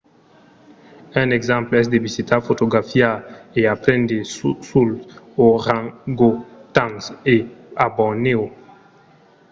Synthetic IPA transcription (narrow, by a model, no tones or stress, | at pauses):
ɛ̃nɛɡzãmplɛs̬d̪evizit̪afot̪oɡafjaeapɾɛ̃nd̪esul | oʁãɡot̪ãŋseabɔneo